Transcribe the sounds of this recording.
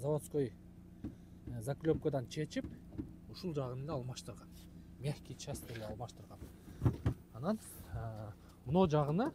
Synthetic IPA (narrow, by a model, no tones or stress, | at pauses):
zawot̪skoj | zaklʲøp̚kød̪ɑnt͡ʃʰe̞t͡ʃip̚uʃulˠd͡ʒɑʁɯnleɑlˠmɑʃt̪ɯɾʁɑn | mʲexkʲit͡ʃast̪eleɑlˠmɑʃt̪ɯɾʁɑn | ɑnɑn | munod͡ʒɑʁɯnɯ